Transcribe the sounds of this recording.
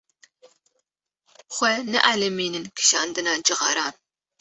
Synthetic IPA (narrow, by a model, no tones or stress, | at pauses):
χʷɛnɨ̰ʔaːlɐmiːnɨnkʰɨ̥ʃaːnd̪ɨnaːd͡ʒɨʁɑ̰ɾaːn